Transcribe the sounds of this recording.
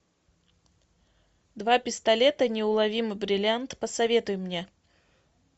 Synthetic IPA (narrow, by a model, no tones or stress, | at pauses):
d̪vapʲɪst̪ɐlʲe̞t̪ənʲɪʊlˠɐvʲimɨbɾʲɪlʲɪant̪pəsɐvʲe̞t̪ʊjʊmnʲe